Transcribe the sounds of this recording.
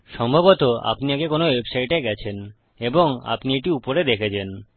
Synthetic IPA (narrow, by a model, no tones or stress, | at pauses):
ʃɔmbʱabot̪oa̰pniɛkekonowebsajʈaeɡɛt͡ɕʰen | eboŋa̰pnieʈiupoɾed̪ekʰet͡ɕʰen